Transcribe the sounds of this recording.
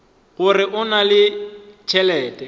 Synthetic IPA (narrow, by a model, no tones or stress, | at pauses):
ɣʊrɪʔʊnalɪt͡ʃʰɛlɛːtʼɛ